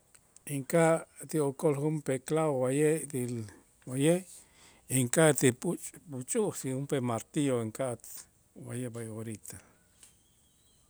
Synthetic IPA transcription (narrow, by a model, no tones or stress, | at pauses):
iŋkaʔt̪iokolχumpeklaowajeʔdil | wajeʔ | iŋkaʔt̪ipʼut͡ʃʼput͡ʃʼuʔsixumpemaɾt̪ioiŋkaʔt̪ | wajebajoɾit̪ʰa